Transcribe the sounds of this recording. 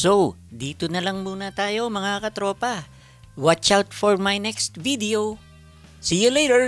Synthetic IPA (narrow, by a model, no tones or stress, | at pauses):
so | d̪iːt̪onɐlɐŋmuːnɐt̪aːjo̞mɐŋakɐt̪ɾo̞ːpɐ | wat͡ʃawt̪fɔɹmajnɛkst̪vid̪ɛo | sijɪleɾɛɹ